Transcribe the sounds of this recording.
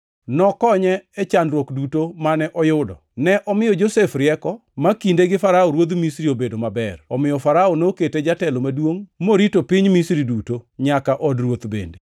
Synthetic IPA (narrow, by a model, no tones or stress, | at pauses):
nɔkɔɲɛɛt͡ʃanɾwokdutomanɛʔɔjʊdɔ | nɛʔɔmɪjɔd͡ʒosefɾɪɛkɔmakindeɡɪfaɾaɔɾwod̪misɾiobedomabɛrɔmɪjɔfaɾaɔnoketed͡ʒatɛlomadwoŋmoɾitopiɲmisɾidutoɲakaʔɔdrwot̪bḛnde